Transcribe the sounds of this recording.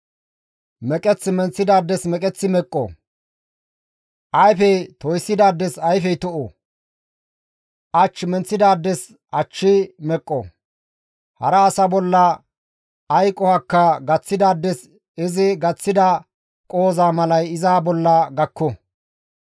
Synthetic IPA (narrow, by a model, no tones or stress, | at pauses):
mɛkʼɛt͡sːɪmɛnt͡sːɪd̪aːd̪ːɛsmɛkʼɛt͡sːɪmɛkʼːɔ̰ | ʔɐjfɛjt̪ɔjsːɪd̪aːd̪ːɛsɐjfɛjt̪ɔʔo̰ | ʔɐt͡ʃːmɛnt͡sːɪd̪aːd̪ːɛs | ʔɐt͡ʃːɪmɛkʼːɔ̰ | hɐ̰ɾɐːsɐbɔlːɐ | ɐjkʼɔhɐkːɐɡɐt͡sːɪd̪aːd̪ːɛs | ɪzɪɡɐt͡sːɪd̪ɐ | kʼo̞ːzaːmɐlɐjɪzaːbɔlːɐɡɐkʰːɔ